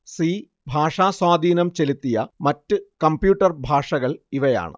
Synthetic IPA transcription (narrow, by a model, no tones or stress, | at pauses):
siː | bʱaːʂaːswaːd̪ʱiːnɐmt͡ɕe̞lit̪ːijɐmɐtːɨkɐmbjuːʈːɐrbʱaːʂɐɣɐɭiʋɐja̰ːɳɨ̰